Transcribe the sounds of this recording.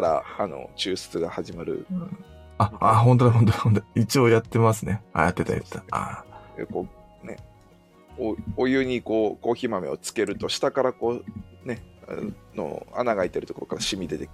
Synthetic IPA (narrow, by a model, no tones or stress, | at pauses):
ɾa̰ano̞̰t͡ɕɨːsɨ̥t͡sɨɡahaʑimaɾɯ̟̰ | aaɦõ̞nt̪̬od̪aɦõnt̪ohõnt̪oit͡ɕioːjat̪ːe̞masɨnea̰jat̪ːe̞t̪a̰jɯ̰t̪ːaa̰ḛkoː | ne̞̰ | oojɯ̟ɲ̟iko̞ːko̞ːçiːmame̞̰o̞t͡sɨ̥ke̞ɾɯ̟t̪o̞ɕi̥t̪akaɾako̞ːne̞a̰no̰a̰naɡait̪e̞ɾɯ̟t̪o̥ko̞ɾo̞̥kaɾaɕimʲid̪e̞t̪ek